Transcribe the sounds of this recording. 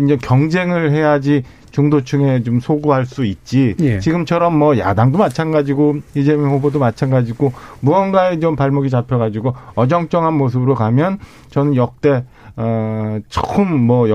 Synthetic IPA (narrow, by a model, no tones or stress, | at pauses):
ind͡ʑekjʌŋd͡ʑe̞ŋɯɭɦe̞jad͡ʑi | t͡ɕuŋdot͡ɕʰuŋe̞t͡ɕomsʰoɡuɦaɭs͈uit̚t͡ɕ͈it͡ɕiɡɯmt͡ɕʰʌɾʌmːʌja̰daŋdomat͡ɕʰanɡad͡ʑiɡoid͡ʑemihobodomat͡ɕʰanɡad͡ʑiɡomuʌnɡaed͡ʑompaɭmuɡit͡ɕapʰjʌɣad͡ʑiɡoʌd͡ʑʌŋt͡ɕ͈ʌŋɦanmos̬ʰɯbɯɾokamjʌn | t͡ɕʌnɯnjʌk̚t͈e̞ | ʌt͡ɕ͈ʰokʰɯmːʌj